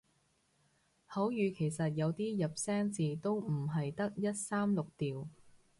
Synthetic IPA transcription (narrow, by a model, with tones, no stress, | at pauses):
hɐ˨˥wjyː˨˧kʰe˨˩jsɐ˨t̚jɐ˨˧wt̪iː˥jɐ˨p̚sɛː˥ŋt͡siː˨t̪o˥wm̩˨˩ɦɐ˨jt̪ɐ˥k̚jɐ˥t̚saː˥mlʊ˨k̚t̪iː˨w